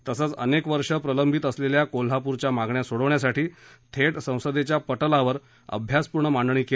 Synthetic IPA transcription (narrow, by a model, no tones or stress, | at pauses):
t̪əsət͡sə̰nekʋəɾʂəpɾələmbʱit̪əsleljakol̤apuɾt͡ɕjamaɡɳjasoɽəʋɳjasaʈiːt̪ʰeʈsə̃w̃səd̪et͡ɕjapəʈəlaʋəɾ | ə̰bʱjaspuɾɳəmaɳɖɳiːke